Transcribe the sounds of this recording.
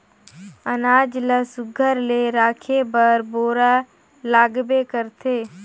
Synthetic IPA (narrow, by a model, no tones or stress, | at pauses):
ənaːd͡ʒləsʊɡʱəɾleɾaːkʰebəɾboːɾa | laːɡbekəɾt̪ʰeː